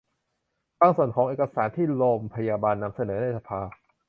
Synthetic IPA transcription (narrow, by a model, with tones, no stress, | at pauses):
baː˧ŋsu˨˩ənkʰɔː˩˦ŋʔeː˨˩ka˧saː˩˦nt̪ʰiː˥˩lo˧mpʰa˧jaː˧baː˧nːa˧msa˧nɤː˩˦na˥˩jsa˧pʰaː˧